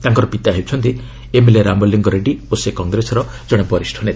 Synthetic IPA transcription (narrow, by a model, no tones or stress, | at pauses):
t̪aŋkɔɾɔpit̪aɦewt͡ʃʰɔnt̪i | emeleɾambɔlːiŋɡɔɾeɖiosekɔŋɡɾesɔɾɔ | d͡ʒɔɽ̃ebɔɾisʈʰɔnet̪